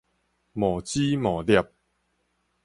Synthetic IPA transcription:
mɔ˨˩t͡ɕi˦mɔ˨˩lja˧p̚

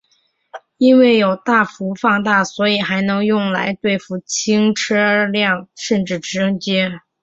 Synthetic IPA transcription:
i˥nwe˥˩ɪjo˨˩ʊt̪a˥˩fu˧˥fɑ˥˧ŋt̪a˥˩swɔ˧˥i˨˩xa˧˥ɪnɤ˧˥ŋjʊ˥˩ŋla̰˧˥ɪt̪we˥˧ɪfu˥˩t͡ɕʰi˥ŋʈ͡ʂʰɤ˥˧ljɑ˥˩ŋʂə˥˧nʈ͡ʂɻ̩˥˩ʈ͡ʂɻ̩˧˥˧ɤ˥ŋt͡ɕjɛ˥

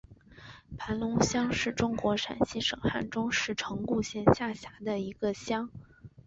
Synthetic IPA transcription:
pʰa˧˥nlʊ˧˥ŋɕjɑ˥ŋʂɻ̩˥˩ʈ͡ʂʊ˥ŋkwɔ˧˥ʂa̰˨˩nɕi˥ʂɤ̰˨˩ŋxa˥˩nʈ͡ʂʊ˥ŋʂɻ̩˥˩ʈ͡ʂʰɤ˧˥ŋku˥˧ɕjɛ˥˧nɕja˥˩ɕja˧˥d̪ə˧i˧˥ɡ̥ə˧ɕjɑ˥ŋ

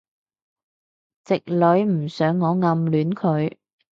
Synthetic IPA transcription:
t͡sɪ˨k̚lɵ˨˧ɥm̩˨˩sœː˨˥ŋːɔː˨˧ŋɐ˧mlyː˨˥nkʰɵ˨˧ɥ

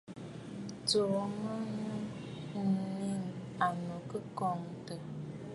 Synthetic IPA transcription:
to˨˦mə˦nə˦˨ | ni˦ŋa˨nu˨kə˦kɔ˨˦˨ŋtə˨

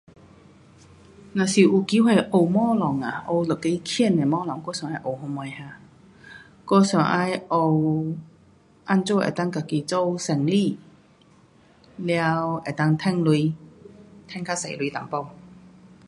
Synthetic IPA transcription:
na˨˩si˨˩ʔuː˨˩ki˨˥whɛ˨˧jʔo˧wmɔː˥lɔ˨˩ŋa˨˩ʔo˧wlə˨˩kːe˧˥jkʰi˥˨nɛ˨˩mɔː˥lɔ˨˩ŋkɔː˥˧˥sœː˨˩ŋa˧jʔo˨˩wɦo˧mɔ˨˧jha˧ | kɔ˥˩sœ˨˩ŋʔa˧jʔo˧w | ʔa˧˥nt͡so˥wʔɛ̰˨˩t̪a˥ŋka˨˧˩ki˧t͡so˥˧wsɛ˨˩ŋli˥˨ | lja˧wɛ˨˩t̪a˧˥ŋt̪ʰɛ˥ŋlu˧j | t̪ʰɛ˥ŋkʰa˥se˨˩jlu˧jt̪a˨˩ŋpo˧w

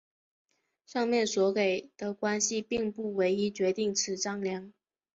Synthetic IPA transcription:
ʂɑ˥˧ŋmjɛ˥˩nswɔ˧˥ke˨˩ɪd̪̥ə˦kwa˥nɕi˧pi˥˧ŋpu˥˩we˧˥ɪi˥t͡ɕɥɛ˧˥t̪i˥˩ŋʈ͡ʂʰɻ̩˧˥ʈ͡ʂɑ˥ŋljɑ˧˥ŋ

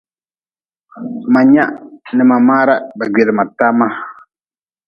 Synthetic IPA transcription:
ma˨ɲa˦ʔnɨ˨ma˨ma˦ɾa˦ba˨ɡɛ˨ɾma˨ta˦ma˦

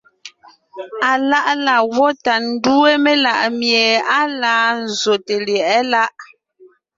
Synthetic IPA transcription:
a˨la˦ʔla˨wɔ˦ta˨n̩˦du˦e˦me˦la˨ʔmje˨a˦laː˦n̩˨zo˨te˨ljɛ˨ɛ˦la˦ʔ

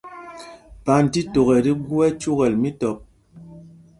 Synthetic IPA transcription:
pa˨n̩˨ti˦to˨ɣɛ˨di˦ɡu˦ɛ˦t͡ʃu˦ɣɛ˨lmi˦tɔ˨p̚

